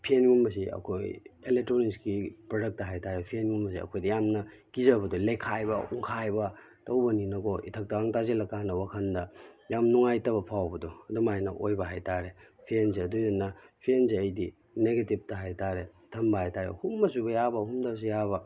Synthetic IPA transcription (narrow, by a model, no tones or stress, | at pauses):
pʰienɡumɐs̬iɐ̰kʰojelek̚tɾoniskipɾodɐk̚tɐɦajtaɾepʰienɡumbɐs̬ḭɐ̰kʰojdɐjamnɐ | kizɐbɐdulekʰajbɐ̰ṵŋkʰajbɐ | tɐwbɐninɐɡɔʔḭtʰɐk̚tɐɡaŋtazelɐkːanɐwakʰɐndɐjamnuŋajtɐβɐpʰawbɐdoɐdumajnɐ̰ʔojbɐɦajtaɾepʰienzeɐdujdɐnɐpʰienzeɐjdi | neɡetip̚tɐɦajtaɾe | tʰɐmbɐhajtaɾḛhumːɐsubɐjabɐhumdɐs̬ujabɐ